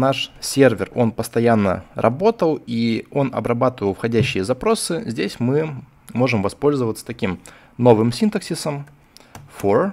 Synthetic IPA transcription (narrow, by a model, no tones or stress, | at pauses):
naʂsʲe̞rvʲɪro̞npəst̪ɐjanːə̰rʔɐ̰bo̞t̪əlˠio̞nɐ̰bɾɐbat̪əvəlˠfxɐdʲæɕːɪjəzɐpɾo̞sɨzʲdʲesʲmɨ | mo̞ʐɨmvɐspo̞lʲzəvət̪sə̥t̪ɐkʲim | no̞vɨmsʲint̪əksʲisəm | for